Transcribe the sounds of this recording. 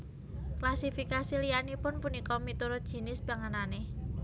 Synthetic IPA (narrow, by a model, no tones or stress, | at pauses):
klasifikasilijanipʊnpunikɔmit̪uɾʊt̪̚dʒ̥i̤nɪsb̥aŋanane